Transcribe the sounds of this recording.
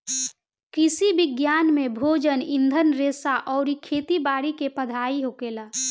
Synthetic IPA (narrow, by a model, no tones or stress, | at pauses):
kɪsibɪɡjaːnmẽbʱoːd͡ʒənɪ̃nd̪ʱənɾeːsaʔɔːɾikʰeːt̪ibaːɽikepəd̪ʱaːiɦoːkeːlaː